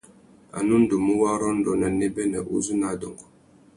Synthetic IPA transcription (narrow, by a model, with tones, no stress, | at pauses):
a̰˨nu˦n˦du˨mu˦wa˦ɾɔ˦n˦dɔ˨na˨ni˦bɛ˦nə̰˨ʔṵ˦zu˦na˨˦dɔ˨ŋɡɔ˨